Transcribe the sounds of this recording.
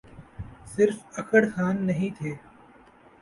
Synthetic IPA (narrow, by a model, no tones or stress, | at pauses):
sɪɾfɐkʰəɽkʰaːnːɐɦĩt̪ʰeː